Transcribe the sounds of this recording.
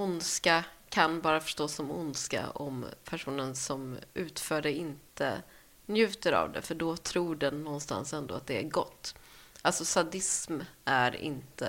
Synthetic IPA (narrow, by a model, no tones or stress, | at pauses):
ʊnskakʰanbɑːɾafœ̥ʂtoːsːɔmʊnska̰ɔ̰mpʰæʂuːnənsɔmʔʉ̟ːt̪fœːɖɛɪnt̪ʰə̰ | njʉ̟ːt̪əɾa̰vd̪ɛ̰fœɖɔt̪ʰɾuːɖɛnːɔnːst̪a̰nsɛnd̪o̰ːat̪̚d̪ɛæɾɡɔt̪ːʔalsɔsad̪ɪsmʔæɾɪ̰nt̪ə